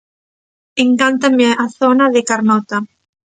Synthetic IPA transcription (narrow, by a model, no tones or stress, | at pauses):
eŋkant̪ameaθonaðekaɾnɔt̪a